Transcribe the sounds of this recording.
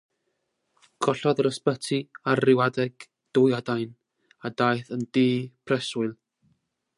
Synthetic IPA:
ɡ̥ɔɬɔðəɾəspətʰiarrɪwadɛɡ̥ | d̥ʊjadajn | adajθəndeːpʰrɛsʊɨlˠ

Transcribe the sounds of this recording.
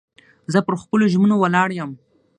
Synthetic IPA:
zəpəɾxpəloʒmənowalɑɽjəm

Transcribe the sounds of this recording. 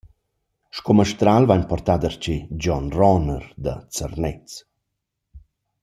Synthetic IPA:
ʃkoməʃt̪ɾalvaɲpɔrt̪ad̪əɾt͡ɕed͡ʑɔnrɔnərd̪ə̰t͡sərnɛt͡s

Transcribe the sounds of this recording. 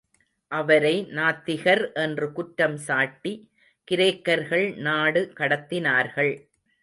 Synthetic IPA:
ʔɐʋɐɾɐɪnaːt̪ːɪɣɐɾʔɛndrɯkʊʈːɐmsaːʈːi | kɪɾeːkːɐɾɣɐɭnaːɽɯkɐɽɐt̪ːɪnaːɾɣɐɭ

